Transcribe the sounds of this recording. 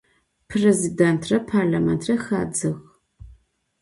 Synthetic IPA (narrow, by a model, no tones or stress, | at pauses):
pʰrezidɛntʰrɐpʰarlaːmɛntʰrɐxa̰ːd͡zɨɣ